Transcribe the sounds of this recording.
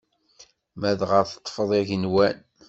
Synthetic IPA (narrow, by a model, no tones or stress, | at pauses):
mæðʁəɾθə̥t̪ˤːfəðˤiʝənwæn